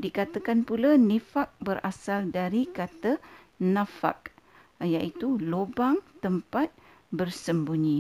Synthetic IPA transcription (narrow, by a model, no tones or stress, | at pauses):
dikat̪akanpulanefak̚bəɾʔasaldaɾikat̪ə | nãfa̰k̚ | jaʔit̪ulobaŋt̪əmpat̪̚ | bərsəmbuɲĩ